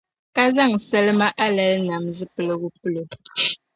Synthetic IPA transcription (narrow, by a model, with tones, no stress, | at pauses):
ka˦za˦˨ŋ˨sɛ˦lma˦ʔa˦lɛ˨˦lna˨mzi˦pə˦lə˦ɣu˦pɨ˦lo˨